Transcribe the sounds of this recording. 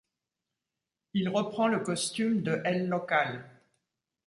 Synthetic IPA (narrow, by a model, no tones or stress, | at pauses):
ilʁəpχɑ̃ləkɔst̪ymd̪əʔɛlːɔkal